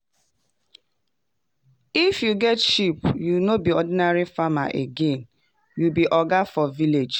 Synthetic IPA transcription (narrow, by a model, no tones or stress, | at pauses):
ifjuɡɛtʃipjunobiɔdinaɹifama̰ʔeɡẽn | jubiʔɔɡafɔviled͡ʒ